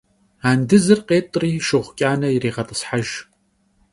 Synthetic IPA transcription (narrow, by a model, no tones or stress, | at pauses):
aːndɨzɨrqeːtʼriːʃɨʁʷkʲʼaːnɐireːʁɐtʼə̥sħaʒ